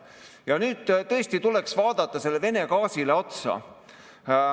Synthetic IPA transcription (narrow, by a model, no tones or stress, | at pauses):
jɑnyːd̪̥t̪ɤ̞est̪it̪ule̞ksvɑːd̪ɑt̪ːˑɑse̞lːe̞ve̞ne̞kɑːsile̞o̞t̪sɑ̰